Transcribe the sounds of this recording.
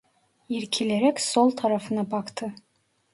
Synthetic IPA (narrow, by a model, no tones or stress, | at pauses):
iɾkʲʰileɾɛkʲsolˠt̪ʰɑɾɑfɯnɑbɑkt̪ʰɯ